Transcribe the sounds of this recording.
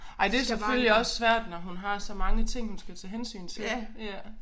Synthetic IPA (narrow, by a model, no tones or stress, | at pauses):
ɑ̈ɪd̥e̝ɐsefølliɒ̽sːʋæɐ̰d̥nɒɦunɦɑ̈sɒ̽mɑ̈ŋət͡sʰe̝ŋ̰hunsɡ̥æt͡sʰɛːɦensy̰ːnt͡sʰe̝læ